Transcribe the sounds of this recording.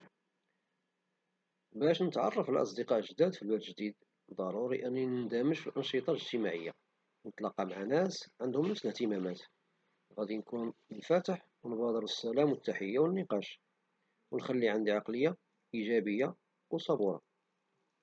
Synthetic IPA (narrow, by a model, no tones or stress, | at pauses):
bæʃnət̪ʕɑ̰rˤːɑfəlʔɑ̰s̬ˤd̪əqɑʔlʒd̪æd̪filwælʒd̪id̪ | d̪ˤɑɾˤuɾiʔənːinənd̪æməʃfilʔɑnʃət̪ˤɑləʒt̪əmaʕəjːa̰ | wnət̪lɑqːɑmaʕanæsʕənd̪hʊmnəfslht̪əmæmæt̪ | ɣæd̪inkunnfæt̪əħ | wnbɑd̪ˤəɾəsːælæmwət̪ːaħəjːawənːəqɑʃ | wənxælːiʕənd̪iʕɑqləjːa | ʔiʒæbəjːa | wsˤɑbuɾˤɑ̰